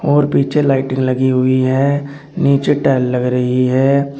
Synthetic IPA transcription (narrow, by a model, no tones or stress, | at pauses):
ɔːɾpiːt͡ʃʰelaːɪʈɪ̃ŋɡləɡiɦʊiɦɛː | niːt͡ʃeʈɛːlːəɡɾəɦiɦɛː